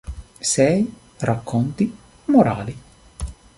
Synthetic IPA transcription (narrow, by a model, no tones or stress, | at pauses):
sɛj | rakʰːɔnt̪i | moɾaːli